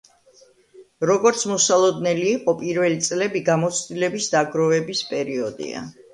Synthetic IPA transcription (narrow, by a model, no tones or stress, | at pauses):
ɾɔɡɔɾt̪sʰmɔsalˠɔd̪nɛliːqʼɔpʼiɾvɛlit̪sʼlɛbiɡamɔt̪sʰd̪ilɛbisd̪aɡɾɔvɛbispʼɛɾiɔd̪ḭa̰